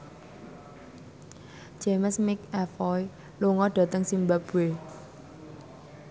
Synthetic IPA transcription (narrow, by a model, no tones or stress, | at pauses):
d͡ʒ̥eməsmɪk̚ɛfɔj | luŋɔɖ̥ä̤t̪əŋsimbab̥ue